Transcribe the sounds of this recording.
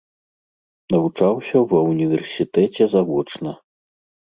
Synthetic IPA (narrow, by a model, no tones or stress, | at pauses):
nɐvut͡ʂawsʲɐwɐunʲivʲɛrsʲit̪ɛt͡sʲɛzavɔt͡ʂnɐ